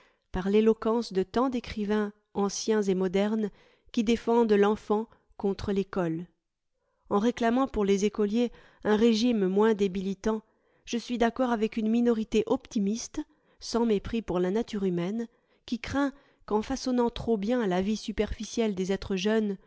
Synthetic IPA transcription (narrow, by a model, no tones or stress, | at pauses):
paʁlelɔkɑ̃sd̪ət̪ɑ̃d̪ekχivɛ̃ | ɑ̃sjɛ̃zemɔd̪ɛʁn | kʲid̪efɑ̃d̪əlɑ̃fɑ̃ | kɔ̃t̪χəlekɔl | ɑ̃ʁeklamɑ̃puʁlezekɔlje | ɛ̃ʁeʒimmwɛ̃d̪emilit̪ɑ̃ | ʒ̥əsɥid̪akɔʁavɛkynminɔʁit̪eʔɔpt̪imist̪ | sɑ̃mepχipuʁlanat̪yʁymɛn | kʲikχɛ̃ | kɑ̃fasɔnɑ̃t̪χobjɛ̃lavisypɛʁfisjɛld̪ezɛt̪χəʒœn